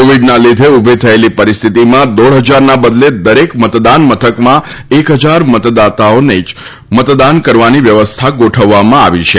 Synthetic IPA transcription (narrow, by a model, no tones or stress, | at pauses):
koʋiɖnalid̪ʱeubʱit̪ʰəelipəɾist̪ʰit̪imãd̪oɽɦəd͡ʒaɾnabəd̪led̪əɾekmət̪d̪anmət̪ʰəkmã | ekɦəd͡ʒaɾmət̪d̪at̪aonəit͡ʃ | mət̪d̪ankəɾʋaniʋjəʋəst̪ʰaɡoʈʰəʋːamãa̰ʋit͡ʃʰe